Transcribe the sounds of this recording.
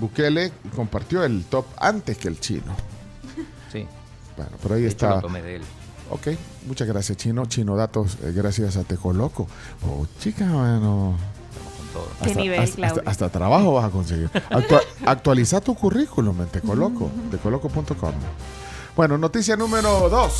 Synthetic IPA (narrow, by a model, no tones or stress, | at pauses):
bukeleko̞mpaɾt̪joelt̪opa̰nt̪eskelt͡ʃḭno̰ | si | b̥wḛno̰peɾoaiest̪at̪omeðel | o̰kej | mut͡ʃaɣɾasjast͡ʃino̞t͡ʃinoðat̪osɣɾasjas̬at̪ekoloko | o̰t͡ʃikamano | t̪a̰moskont̪o̰ðo̰a̰enasaast̪at̪ɾaβaxoβasako̞ns̬eɣḭɾakt̪waak̚t̪walisaɾt̪ukurikulument̪ekoloko̰t̪ekolokopunt̪oko̰m | b̥wenono̞t̪is̬janũme̞ɾoðos